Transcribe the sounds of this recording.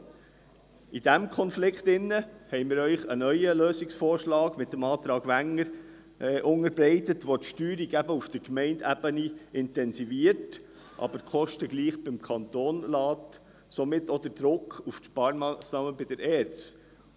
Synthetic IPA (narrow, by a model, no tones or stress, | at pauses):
id̥æmkʰɔnflɪkχt̪ɪnːəhɛɪmɪːɾœʏχənœʏjəløːsɪksfɔːɾʃlɑːɡ̥mɪt̚dəmɑːt̪ɾɑːɡ̥ʋæŋəɾ | ʔʊŋəɾbɾɛɪtətʋot̪ʃtyːɾiɡæbəufd̥əɾkmɛɪndæb̥əniɪntɛnsiviəɾt | ʔɑ̰b̥əɾkʰɔʃtəɡliːχb̥ɪmkʰɑnt̪oːnlɑːt | somɪtːɔd̪əɾd̥ɾʊkχuftʃpɑːɾmɑːsnɑːməbɪd̥əɾɛːɾt͡s